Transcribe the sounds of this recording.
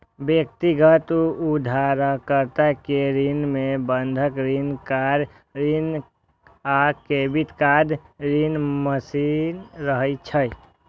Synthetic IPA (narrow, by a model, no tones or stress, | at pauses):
bjək̚t̪iɡət̪uud̪ʱaɾakəɾt̪akeɾinmẽbənd̪ʱəkɾinkaɾ | ɾin | akebit̪kad̪ɾinməsinɾəɦəit͡ʃʰəj